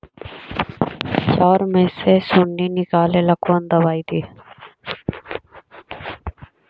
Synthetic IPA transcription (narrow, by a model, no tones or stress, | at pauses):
t͡ʃaːɾmẽːsesʊɳɖiːnɪkaːleːləkuənd̪əbaːiːd̪iː